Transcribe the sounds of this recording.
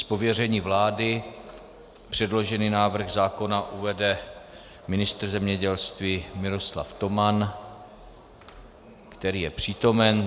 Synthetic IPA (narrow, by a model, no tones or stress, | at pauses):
spo̞vjɛr̝ɛɲiːvlaːdɪ | pr̝̥ɛdlo̞ʒɛninaːvr̩ɣzaːko̞naʔuvɛdɛ | mɪnɪst̪r̩zɛmɲɛɟɛlst̪viːmɪɾo̞sla̰ft̪o̞man | kt̪ɛɾiːjɛpr̝̥iːt̪o̞mɛn